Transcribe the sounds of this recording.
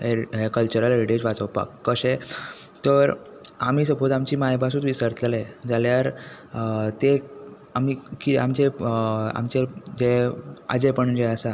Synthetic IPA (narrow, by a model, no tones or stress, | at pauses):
ekəlt͡ɕuɾəleɾiʈed͡ʑʋat͡səwpa̰kːəɕẽ | t̪əɾam̤iːsəbod̪amt͡ɕiːmajbʱas̬uːt̪ʋisəɾt̪led͡zaljaɾ | t̪e | amikiamt͡ɕea̰mt͡ɕed͡ʑea̰d͡zepəɳd͡ʑeəsa